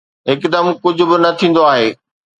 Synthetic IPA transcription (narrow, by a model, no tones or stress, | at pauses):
ɦɪkd̪əmkʊd͡ʑʱʊ̆bɪnɐt̪ʰĩːn̆d̪oaːɦeː